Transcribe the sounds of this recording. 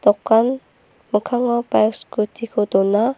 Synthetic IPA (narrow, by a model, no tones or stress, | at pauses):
t̪ɔkːan | məkʰaŋapajkskut̪ʰikʰod̪ɔna